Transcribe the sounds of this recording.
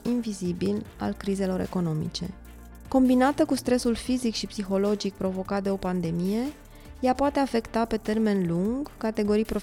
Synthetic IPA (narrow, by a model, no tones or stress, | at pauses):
invizibila̰lkɾize̞lo̞ɾe̞̰ko̞no̞mḭt͡ʃe̞̰ | ko̞mbinat̪əkust̪ɾe̞sulfizikʃipsixo̞lo̞d͡ʒik̚pɾo̞vo̞kat̪̚d̪e̞o̞pand̪e̞mije̞ | japoat̪e̞afe̞kt̪ape̞t̪e̞rme̞nluŋɡkat̪e̞ɡo̞ɾijpɾo̞